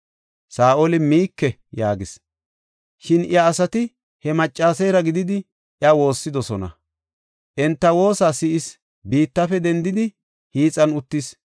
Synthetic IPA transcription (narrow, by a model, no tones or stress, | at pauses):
saːʔɔlɪmiːkːɛ | jaːɡɪs | ʃɪnɪ̰ɐːsɐt̪ɪ | hɛmɐt͡ʃʼːaːsɛjɾɐɡɪd̪ɪd̪ɪ | ʔɪɐwo̞ːsːɪd̪ɔsɔnɐ̰ | ʔɛnt̪ːɐwo̞ːsaːsɪʔɪs | biːt̪ːɐfɛd̪ɛnd̪ɪd̪ɪ | hiːt͡sʼːɐnʊt̪ːɪs